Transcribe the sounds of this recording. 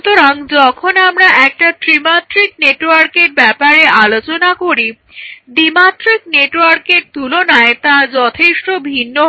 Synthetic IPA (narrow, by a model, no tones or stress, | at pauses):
t̪oɾaŋd͡ʑɔkʰonamɾaʔɛk̚ʈatɾimat̪ɾik̚neʈwaɾkeɾbɛpaɾealot͡ɕonakoɾi | d̪imat̪ɾik̚neʈwaɾkeɾ̚t̪ulonaet̪ad͡ʑɔt̪ʰeʃʈobʱinːo